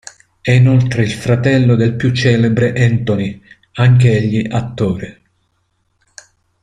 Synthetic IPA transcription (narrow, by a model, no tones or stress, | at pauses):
ɛinolt̪ɾeilfɾat̪ɛlːod̪elpjut͡ʃːɛːlebɾeʔɛnt̪oni | aŋkeeʎːiʔat̪ːoːɾe